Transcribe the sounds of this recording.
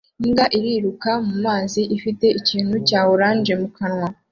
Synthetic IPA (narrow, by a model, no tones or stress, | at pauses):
niŋɡaʔiɾiːɾukamumaːziʔifite̞ʔiciːn̤̥hucaːwuɾaːnd͡ʒemukʰanwa